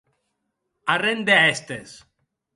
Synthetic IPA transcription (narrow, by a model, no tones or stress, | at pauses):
arend̪eaest̪es